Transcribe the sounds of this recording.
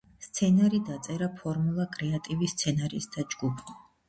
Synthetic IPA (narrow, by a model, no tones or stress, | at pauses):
st̪sʰɛnaɾid̪at̪sʼɛɾapʰɔɾmulˠakʼɾɛat̪ʼivist̪sʰɛnaɾisd̪ad͡ʒɡupʰ